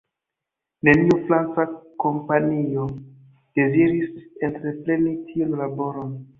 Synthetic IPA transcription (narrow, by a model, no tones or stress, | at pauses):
ne̞niufɾant͡sako̞mpanio̞ | d̥e̞ziɾisentɾe̞plenitʰionlabo̞ɾon